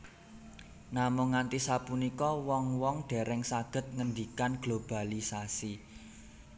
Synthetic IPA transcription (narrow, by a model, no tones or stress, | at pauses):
namʊŋːant̪isapunikɔwɔŋwɔŋɖ̥ɛ̤ɾɛŋsaɡ̥ə̤t̪̚ŋənd̪ikanɡ̥lob̥a̤lisasi